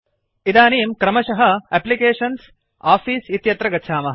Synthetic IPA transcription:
id̪aːniːmkɾɐmɐʃɐɦɐeplikeːʂɐns | aːfʰiːsit̪jɐt̪ɾɐɡɐtːʃʰaːmɐɦɐ

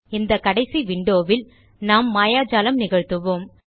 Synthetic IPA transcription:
ɪnd̪ɐkɐɽɐɪsiʋɪɳɖoːʋɪl | naːmːaːjaːd͡ʒaːlɐmnɪɣɐɻt̪ɯʋoːm

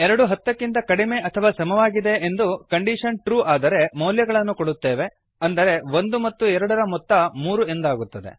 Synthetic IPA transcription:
ɛɾɐɽuɦɐt̪ːɐkːint̪ɐkɐɽime̞ʔɐt̪ʰɐʋaːsɐmɐʋaːɡid̪e̞end̪ukɐɳɖiʂɐnʈɾuːaːd̪ɐɾe̞mɐwljɐɡɐɭɐnːukoɽut̪ːe̞ːʋe̞ | ɐnd̪ɐɾe̞ʋo̞nd̪umɐt̪ːuɛɾɐɽɐɾɐmɔt̪ːɐmuːɾue̞nd̪aːɡut̪ːɐd̪e̞̰

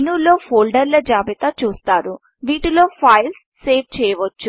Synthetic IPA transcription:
nuːlo̞ːfoːlɖɐɾlɐd͡ʒaːbit̪at͡ʃuːst̪aːɾu | ʋiːʈilo̞ːpʰɐjlsːeːʋt͡ʃɛːjɐʋɐt͡ʃːu

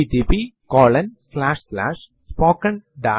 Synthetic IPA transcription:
it̪iːpikɔːlɐnslaːʂsla̰ːʂ | spoːkɐ̃ɳɖaː

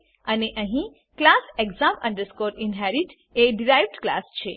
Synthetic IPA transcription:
əneʔəɦĩ | klaseɡzamə̰̃ɳɖəɾskoɾinɦɛɾiʈ | eɖiɾajʋɖkla̰st͡ʃʰe

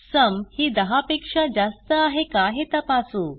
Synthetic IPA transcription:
səmhiːd̪əɦapekʂad͡ʑast̪əaɦekaɦet̪əpasu

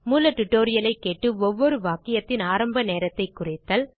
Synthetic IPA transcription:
muːlɐʈʊʈːoːɾɪjɐlɐɪkːeːʈːɯɔʋːɔɾɯʋaːkɪjɐt̪ːɪnaːɾɐmbɐneːɾɐt̪ːɐɪkːʊrɪt̪ːɐːl

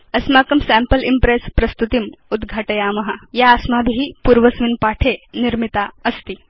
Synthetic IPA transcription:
ɐsmaːkɐmsæ̃mpəlimpɾespɾɐst̪ut̪imud̪ɡʱaːʈɐjaːmɐɦɐjaːsmabʱiɦipuːɾʋɐsʋinpaːʈʰeniɾmit̪aɐst̪i

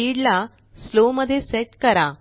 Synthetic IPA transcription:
iɽla | sloməd̪ʱːjeseʈkəɾa

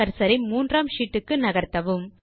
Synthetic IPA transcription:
ɐɾsɐɾɪmuːndraːmʂiːʈːɯkːɯnɐɣɐɾt̪ːɐʋɯm

